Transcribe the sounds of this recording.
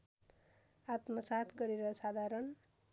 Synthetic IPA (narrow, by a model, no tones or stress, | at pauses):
at̪mʌsat̪ʰɡʌɾeɾʌsad̪ʱaɾʌn